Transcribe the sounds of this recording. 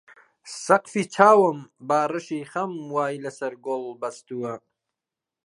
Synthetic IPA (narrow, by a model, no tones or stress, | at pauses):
sɐqfiːt͡ʃʰaːwəmbaːrɨʃiːχɐmwaːjlɐsɐɾɡolbɐst̪uwɐ